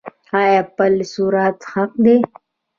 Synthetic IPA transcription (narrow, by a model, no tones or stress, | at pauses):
aepəlsuːɾat̪hɐq̚d̪eː